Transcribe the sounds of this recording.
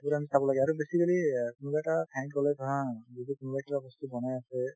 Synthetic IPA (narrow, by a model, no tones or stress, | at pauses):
buɹamisabɔlaɡɛaɹubesikalikʊnubaɛtatʰɛ̃ŋkɔlɛtʰɔɦãzitukunubaɛkatabɔstubɔnajasɛ